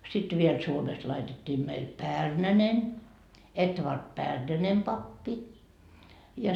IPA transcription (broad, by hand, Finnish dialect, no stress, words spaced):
sit ʋiel suomest lɑitetːiː meil pærnænen etʋɑrd pærnænem pɑpːi jɑ